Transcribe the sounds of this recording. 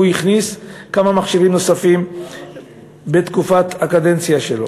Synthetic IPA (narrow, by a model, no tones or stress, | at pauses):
ujiχniskamamaχʃivimno̞safim | bet̪kufat̪akad̪ent͡sjaʃelo̰